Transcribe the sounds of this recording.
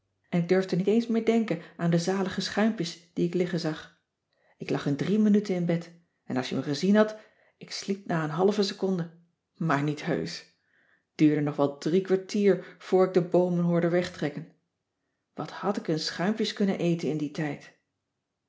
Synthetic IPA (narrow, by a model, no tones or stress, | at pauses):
ʔɛnɪɡ̚døɹvdənitejnsmɪːɹdɛŋkənʔaːndəzaːləχəsχœɥmpjəsd̥iɪklɪχənzɑχ | ɪklɑχəndrimənytənɪnbɛt | ɛnɑ̰lˠʃjəməχəzinɦɑt | ɪkslip̚naːənɦɑlvəsəkɔndə | maːɹnitɦø̰ɥs | d̥yːɹdənɔχʋɛlˠdrikʋaɹtiːɹv̥ʊːɹɪɡ̚dəbowmənɦʊːɹdəʋɛχtrɛkən | ʋɑthɑtɪkənsχœɥmpjəskɵnənʔejtənɪnditɛjt